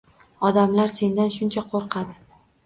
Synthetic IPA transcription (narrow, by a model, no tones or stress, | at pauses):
ɒd̪amlaɾse̞nd̪anʃʊnt͡ʃʰaqʰoɾqʰɑd̪ɪ